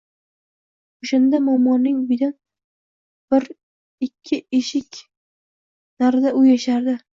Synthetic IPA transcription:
ʊʃand̪amɒmːɒnːɪŋbɪd̪an | b̥ɪɾ | ɪkʲʰːɪeʃɪkʲ | naɾɪd̪aʊjaʃaɾd̪ɪ

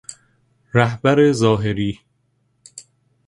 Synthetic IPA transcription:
ɾæhbæɾezɒːɦe̞ɾiː

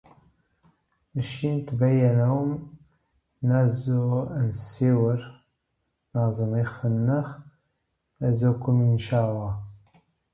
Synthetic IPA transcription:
əʃint̪bæjːænawəm | næzoænsiwəɾ | nɑzˤəmixfənːəx | æzokʊmənʃalɑ

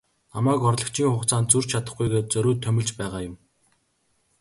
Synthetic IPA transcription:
namæːkɔrɮə̆kt͡ɕʰiːŋχʊχt͡sʰaːnt̪t͡sur̥t͡ɕt͡ɕʰat̪ə̆χɡujɣeːt͡sœɾʲuːt̪ʰːœmʲɪ̆ɮt͡ɕpæːʁaːjʊm

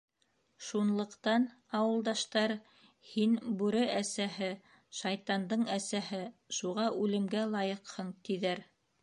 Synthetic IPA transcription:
ʃunlˠɤ̆qt̪ɑn | ɑwɤ̆lˠd̪ɑʃt̪ɑɾ | hinbʉɾɘʔæsæɦɘ | ʃɑjt̪ɑnd̪ɤɴæsæhɘʃuʁɑʔʉlɘ̆mɡælˠɑjɤqhɤɴt̪iðæɾ

